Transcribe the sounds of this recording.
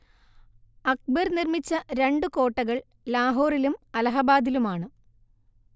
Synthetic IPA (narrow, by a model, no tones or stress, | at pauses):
ɐk̚bɐɾnirmit͡ɕːɐɾe̞ɳɖɨko̞ːʈːɐɣɐɭ | laːɦoːrilumɐlɐɦɐbaːd̪ilumaːɳɨ